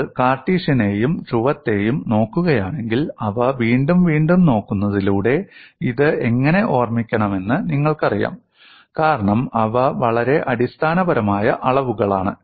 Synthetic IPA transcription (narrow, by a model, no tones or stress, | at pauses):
kaːrʈːiːʂɐne̞ːjumt͡ɕuʋɐt̪ːe̞ːjumno̞ːkːuɣɐjaːɳe̞ŋɡilɐʋɐʋiːɳɖumʋiːɳɖumno̞ːkːunːɐðiluːɽe̞iðɨe̞ŋːɐne̞ʔo̞ːrmikʲːɐɳɐme̞nːɨniŋːɐɭkɐrija̰ːm | kaːɾɐɳɐmɐʋɐʋɐɭɐɾe̞ʔɐɽist̪ʰaːnɐbɐɾɐmaːjɐʔɐɭɐʋuɣɐɭaːɳɨ